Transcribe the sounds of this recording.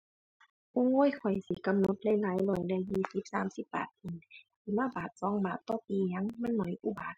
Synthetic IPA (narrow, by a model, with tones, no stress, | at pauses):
ʔo˧˥˨ŋoː˧˥˨jkʰɔ˨˩jsi˧˦ka˧˨mno˧˦t̪̚lɛ˧˨jlaː˨˦jlɔː˧˩jlɛː˧˨jiː˧˩si˧˦p̚saː˨˦msi˧˦p̚ba̰ː˨˩t̪̚kʰi˧˩˨nt̪ʰiː˧˩maː˧˥˨baː˨˩t̪̚sɔː˨˧˦ŋbaː˨˩t̪ːɔː˧˨piː˨˧ja˧˥˨ŋmɛ˧˥˨nːɔ˨˩jʔuː˧˨baː˨˩t̪̚